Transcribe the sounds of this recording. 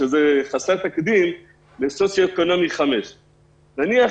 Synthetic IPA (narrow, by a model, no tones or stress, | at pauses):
ʃezeχaseʁt̪akd̪im | lesot͡sjoeko̞no̞miχame̞ʃ | naniaχ